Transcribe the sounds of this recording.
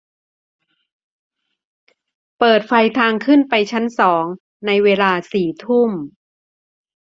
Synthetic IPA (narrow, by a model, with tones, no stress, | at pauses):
pɤː˨˩t̪̚fa˧jt̪ʰaː˧ŋkʰɯ˥˩npa˧jt͡ɕʰa˦˥nsɔː˩˦ŋ | na˧jweː˧laː˧siː˨˩t̪ʰu˥˩m